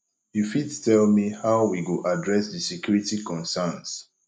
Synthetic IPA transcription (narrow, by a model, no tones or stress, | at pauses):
jufittɛlmihaʊwiɡoʔadɹɛsdəsɛkjuɹitikɔ̃nsɛns